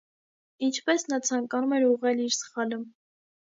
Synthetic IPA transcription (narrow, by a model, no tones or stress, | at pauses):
int͡ʃʰpɛsnɑt͡sʰɑŋkɑnumɛɾuʁɛliɾsə̥χɑlə